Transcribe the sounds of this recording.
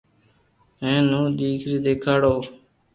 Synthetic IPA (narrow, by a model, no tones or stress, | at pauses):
ẽːnũːd̪iːkʰɾiːd̪eːkʰaːɽoː